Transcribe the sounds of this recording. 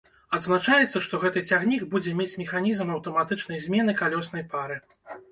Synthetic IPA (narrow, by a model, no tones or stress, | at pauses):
ɐd̪znat͡ʂajɛt̪sːɐʂt̪ɔɣɛt̪ɨt͡sʲaɣnʲiɡbud͡zʲɛmʲet͡sʲmʲɛxanʲizmɐwt̪ɐmat̪ɨt͡ʂnɐjzʲmʲɛnɨkalʲɔsn̪ɐjpaɾɨ